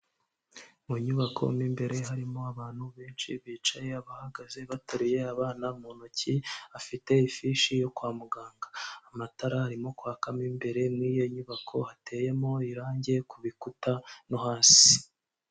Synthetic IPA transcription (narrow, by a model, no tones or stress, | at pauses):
muɲuβakʰo̞̰miːmbe̞ɾe̞ɦaɾimo̞aβaːn̥huβeːnt͡ʃḭβiːt͡ʃaje̞aβahaɡaze̞βatoɾije̞aβaːnamuːnociafite̞ifiʃijo̞kwaːmuɡaːŋɡaːmataɾahaɾimo̞kwaːkamiːmbe̞ɾe̞mŋiːjo̞ɲuβakʰo̞hate̞ːje̞mo̞iɾaːɲɟe̞kuβikutanohaːsi̥